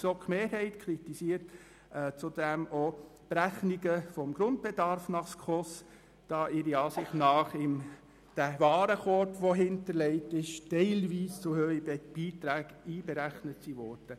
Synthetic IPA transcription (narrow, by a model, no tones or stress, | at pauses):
sokmeːɾhɛɪtkʰɾitisiːəɾtː | t͡sudɛmob̥ɾæχniɡəfɔmɡɾʊnt̚b̥edɑɾfnɑχskχɔs | d̥ɑːʔɪɾiɑːsɪχtnɑːχɪm | d̥ævɑːɾəχɔtʋɔɦɪntəɾlɛɪtɪʃtɛɪlʋiːst͡sʊhøːib̥iːtɾæːɡiːbeɾæχnətsiʋɔɾd̥ə